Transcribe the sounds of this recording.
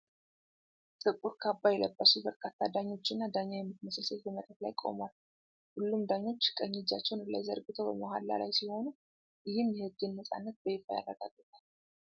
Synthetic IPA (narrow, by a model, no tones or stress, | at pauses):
t̪ʼɨkʼuɾkʰabːajɛləbːəsubəɾkʰat̪ʰːad̪aɲːo̞t͡ʃːɪnːad̪aɲːajɛmːɨt̪ʰəməsəsət̪bəmət̪ʼət̪lajkʼo̞̰malːu | hulːumd̪aɲːo̞t͡ʃːkʼəɲːid͡ʒat͡ʃːɛwnɨlːa̰jzə̰ɾɡɨt̪ʰəwb̰moɦalːa̰lajsiho̞nu | jɪhɨmjɛhɨɡːɨnːəsʼa̰nːət̪̚bəjɪfaja̰rːəɡa̰ɡːət̪ʰʼal